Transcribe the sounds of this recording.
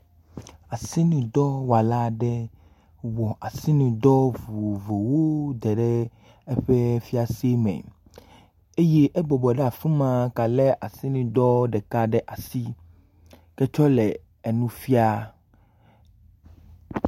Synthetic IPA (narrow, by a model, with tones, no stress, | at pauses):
a˨si˦nũ˨d̪ɔ˦wa˨la˦ɖɛ˦ | wɔ˨ʔa˨si˦nũ˨d̪ɔ˦vu˨vo˨wo˦d̪ɛ˨ɖɛ˦ | e˦ɸe˦fi˦a˨si˦e˦mɛ̰̃˨ | e˦je˦ʔɛ˦bɔ˨bɔ˨ɖɛ˦a˨fũ˦mã˨ka˨le˦ʔa˨si˦nũ˨d̪ɔ˦ɖɛ˨ka˦ɖɛ˦ʔa˨si˦ | kɛ˦t͡ʃɔ˦lɛ˨ | e˨nũ˦fi˦a˦